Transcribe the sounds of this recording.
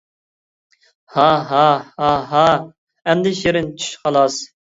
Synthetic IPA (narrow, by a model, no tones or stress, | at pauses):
hɑɦɑhɑɦɑ | ɛmd̪ɪʃeɾɪnt͡ʃʰy̥ʃχɑlˠɑs